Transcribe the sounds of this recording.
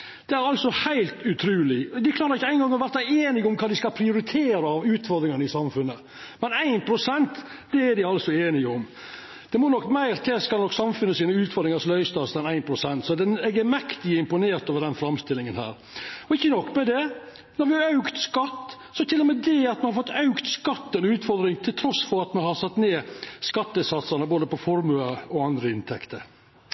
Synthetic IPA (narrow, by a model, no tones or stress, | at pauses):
d̪̥ɛæɾɑlsɔhæɪlt̪ʉt̪ʰɾʉːlɪd̪ɪkʰlɑːɾəɾɪçːəæɪnɡɑŋːɔʋæɾt̪æɪeːnɪɡʊmkʰɑːd̪ɪskɑlpʰɾɪʊɾɪt̪ʰeːɾəɑʋʉːt̪fɔɾd̪ɾɪŋɑnɪsɑmfʉnːə | mɛnæɪnpʰɾʊsɛnt̪ | d̪ɛæɾɖ̪ɪɑlsɔeːnɪəʊm | d̪̥ɛmɔnɔkːmæɪɾt̪ʰɛskɑlɔkːsɑmfʉnːəsiːnəʉːt̪fɔɾd̪ɾɪŋɑslœʏst̪ɑsɛnæɪnpʰɾʊsɛnt̪sɔd̪ɛnɛɡəmɛkt̪ɪəɪmpʊneːɾʈ̪oːʋəɾɖ̪ɛnfɾɑmst̪ɪlːɪŋənhæ̰ːɾ | ɔɪçːənɔkːmɛd̪ɛ | nɔɾʋɪɑɾɑʉkt̪skɑt̪ː | sɔt̪ʰɪlːɔmɛd̪ɛɑt̪mɛnhɑɾfɔt̪ːɑʉkt̪skɑt̪ːɛnʉːt̪fɔɾd̪ɾɪŋt̪ʰɪlt̪ʰɾɔsːfɔɾɑt̪mɛnhɑɾsɑt̪ːneːskɑt̪ːəsɑt̪sɑnəboːd̪əpɔfɔɾmʉɑɔɑnd̪ɾəɪnt̪ʰɛkt̪ʰəɾ